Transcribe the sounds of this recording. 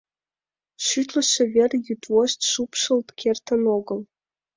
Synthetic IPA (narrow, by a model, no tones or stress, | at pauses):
ʃyt̪lʲɘ̆ʃĕvʲerʲjyt̪woɕt̪ʲʃupʃɤ̆lˠt̪kʲʰert̪ə̆noɡɤ̆lˠ